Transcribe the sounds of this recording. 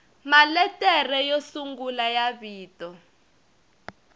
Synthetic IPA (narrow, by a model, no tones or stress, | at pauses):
malɛtɛrɛjosuŋɡulajaβiːtɔ